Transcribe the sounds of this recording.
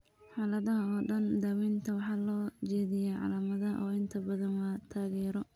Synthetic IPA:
ħɑːlɐðɐɦɐɔːɖɐnd̪ɐwɛnt̪ʰɐwɑħɑːlɔːt͡ʃɛːðɪjɛʕɑ̰laːmɐðɐʔɔːɪnt̪ʰɐbɐðɐnwaːt̪ʰaːɣɛːɾɔ

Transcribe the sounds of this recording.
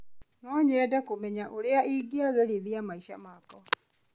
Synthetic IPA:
nɔɲɛdakomɛɲaʔoɾeaʔiɡiaɣɛɾiðiamaiʃa̰makɔ

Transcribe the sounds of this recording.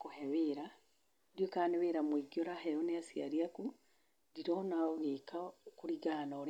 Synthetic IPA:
kohɛβeːɾa | djokaːneβeːɾamwiɡiɔɾahɛɔneasiaɾiaku | diɾɔnaɣekakoɾiɡanɔɾ

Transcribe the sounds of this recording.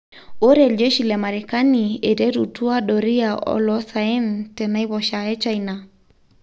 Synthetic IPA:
oɾɛld͡ʒɛʃilamaɾɛkaniedɛɾutuaɗɔɾiaʔɔ̰lɔsaintɛnaiβɔʃaɛt͡ʃaina

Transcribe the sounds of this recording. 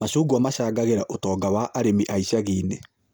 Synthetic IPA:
maɕuːɡuamaɕaːɡaɣeɾaʔotɔːɡawaʔaɾemiʔaiɕaɣine

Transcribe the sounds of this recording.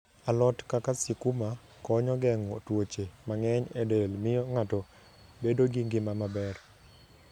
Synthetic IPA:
alɔtkakasɪkuma | kɔɲɔɡɛŋɔtwot͡ʃemaŋɛɲɛdelmɪjɔŋatɔ | bedoɡiŋɡɪmamabɛr

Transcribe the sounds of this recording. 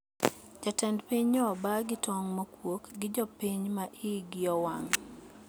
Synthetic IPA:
d͡ʒatɛndpiɲɔbaɡɪtɔŋmokwokɡɪd͡ʒɔpiɲmaʔiɡɪɔwaŋ

